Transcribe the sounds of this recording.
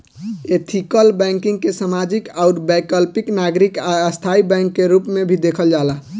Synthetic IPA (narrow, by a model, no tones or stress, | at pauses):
et̪ʰikəlbɛ̃ŋkĩŋɡkesamad͡ʒikaʊɾbɛkəlpiknaɡɾikaəst̪ʰaibɛ̃ŋkːeɾupmebʱid̪ekʰəld͡ʒala